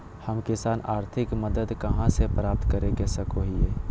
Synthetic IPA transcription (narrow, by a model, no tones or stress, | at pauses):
həmkɪsaːnaːɾt̪ʰɪkməd̪əd̪kɐɦãsepɾaːp̚t̪kəɾeɡesəkoɦieː